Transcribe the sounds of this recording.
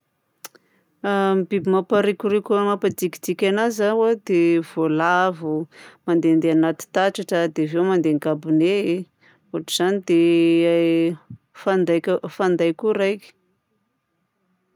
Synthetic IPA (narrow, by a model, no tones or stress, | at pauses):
amibibimapaɾikuɾekʲumapad̪ikid̪ikʲanazawad̪ev̥olavumand̪end̪eanat̪i̥t̪aʈ͡ʂaʈ͡ʂəd̪evewmand̪eŋɡabunee | oʈ͡ʂuz̥anid̪ea | fand̪ajkfand̪ajkuɾajkʲi̥